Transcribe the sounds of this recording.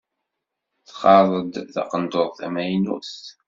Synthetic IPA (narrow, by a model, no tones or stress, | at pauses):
θqːɑðˤəd̪θɑ̰qənd̪oðˤθæ̰mæjnṵθ